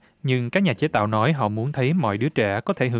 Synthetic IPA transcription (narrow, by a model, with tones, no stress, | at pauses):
ɲɨ˧ŋkaː˦˥k̚ɲaː˨˩t͡ɕe˨˦t̪a̰ː˧˨wnɔ˨˦jɦɔ̰˧˨mu˨˦ənt̪ʰə˨˦jmɔ̰˧˨jɗɨ˨˦ət͡ɕɛ˧˩kɔ˨˦t̪ʰe˧˩ɦɨ˨˦